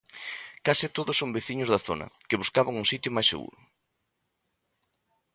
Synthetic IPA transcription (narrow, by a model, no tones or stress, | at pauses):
kasɪt̪oðʊsombeθiɲʊzðɐθo̰nɐ̰kɪβuskaβaŋuŋsit̪jʊmajsḛɣṵɾʊ